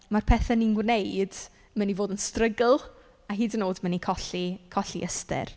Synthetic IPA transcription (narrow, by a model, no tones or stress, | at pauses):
marpʰɛːθɛninwnejd̥ | mənivoːdənstrəɡəlˠ | aɦiːdənoːdmənikʰɔɬikʰɔɬḭʔəstɛ̰r